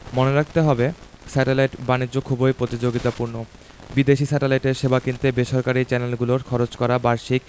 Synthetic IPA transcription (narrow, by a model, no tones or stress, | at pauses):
moneɾak̚ʰt̪eɦɔbe | sɛʈelajʈbaniʑokʰubojpɾot̪id͡ʑoɡit̪apuɾno | bid̪eʃisɛʈelajʈeɾʃebakint̪ebeʃɔɾkaɾit͡ɕɛnelɡuloɾkʰɔɾot͡ɕkɔɾabaɾʃik̚